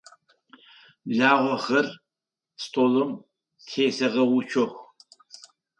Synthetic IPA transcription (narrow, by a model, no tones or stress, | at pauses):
ɮaːʁʷɔxɐr | stʼoːlɐm | tʰeːsɐʁɐwʊt͡ʃʰɔxʷ